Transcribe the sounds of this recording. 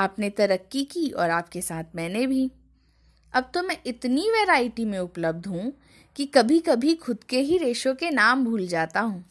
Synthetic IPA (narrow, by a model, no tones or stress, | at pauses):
aːpnet̪ɐɾəkːikiɔːɾaːp̚kesaːt̪ʰmɛ̃ːnebʱi | ɐb̚t̪omɛ̃ʔɪt̪niʋeːɾaːɪʈimẽʊpləb̚d̪ʱɦũ | kikɐbʱikɐbʱixʊd̪keɦiɾeːʃõkenaːmbʱuːld͡ʒaːt̪aɦũː